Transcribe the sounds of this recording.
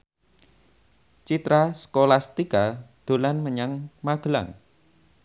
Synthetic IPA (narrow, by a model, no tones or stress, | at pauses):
t͡ʃit̪ɾaskolast̪ikad̪̥o̤lanməɲaŋmaɡ̥əla̰ŋ